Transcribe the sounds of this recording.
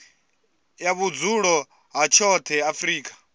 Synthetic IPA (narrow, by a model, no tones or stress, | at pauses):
jaβud͡zuɺɔ | ɦat͡ʃʰɔt̪ʰɛafɾiːkʼḁ